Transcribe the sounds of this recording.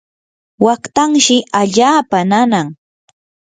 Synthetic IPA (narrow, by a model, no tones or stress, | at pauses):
wakt̪aŋʃɪaʎaːpananaŋ